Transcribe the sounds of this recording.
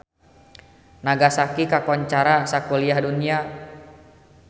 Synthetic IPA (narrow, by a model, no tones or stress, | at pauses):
naɡasakikakɔɲt͡ʃaɾasakuliahdunia